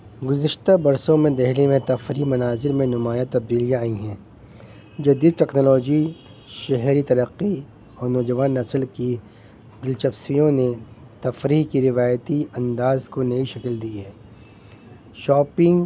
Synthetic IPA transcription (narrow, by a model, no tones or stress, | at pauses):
ɡʊzɪʃt̪abɐɾsõmẽd̪ɐɦlemẽt̪ɐfɾimɐnaːzɪɾmẽnʊmaːjat̪ɐb̚d̪iːlijãaːĩɦɛ̃ː | d͡ʒɐd̪iːd̪̚ʈɛːknɔːlɔːd͡ʒi | ʃɛɦɾit̪ɐɾəqːi | ɔːɾnɔːd͡ʒɐʋaːnːɐslki | d̪ɪlt͡ʃɐfsijõne | t̪ɐfɾiːɦkiɾɪʋaːjt̪iɐ̃nd̪aːzkonɐĩʃɐkld̪iɦɛː | ʃɔːpɪ̃ŋɡ